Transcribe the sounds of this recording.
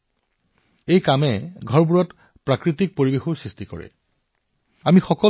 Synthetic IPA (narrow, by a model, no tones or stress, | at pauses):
ejkamɛɡʱɔɹb̬uɹɔt | pɹakɹitik̚poɹibexoɹsɹistikɔ̰ɹɛ̰ | amixɔkɔ